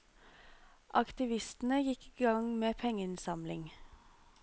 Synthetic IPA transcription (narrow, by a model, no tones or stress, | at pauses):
ʔɑkt̪ɪʋɪst̪n̩əjɪkiːɡɑŋmeːpʰɛŋəɪnsɑmlɪŋ